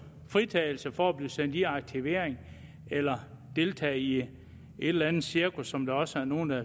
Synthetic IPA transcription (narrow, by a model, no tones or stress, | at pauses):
fʁit͡sʰɛ̰ːɪl̩səfɒæb̥liːsen̰d̥iɑ̈ɡ̥̚t͡sʰiʋe̝ɐ̰eŋ | elɐ | d̥e̝lt͡sʰɛ̰ːi | e̝d̥lænð̩siɐkʰusːɒ̽md̥ɑ̈ɒ̽səæɐno̝ːn̩æ